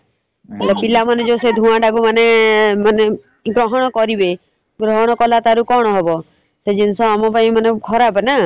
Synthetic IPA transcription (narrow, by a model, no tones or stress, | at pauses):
elepilamaned͡ʒewsed̪ʱũaɖaɡumanemane | ɡɾɔɦɔɽ̃ɔkɔɾibe | ɡɾɔɦɔɽ̃ɔkɔlat̪aɾukɔɽ̃ɔɦebɔ | sed͡ʒinsɔamɔpaĩmanekʰɔɾabena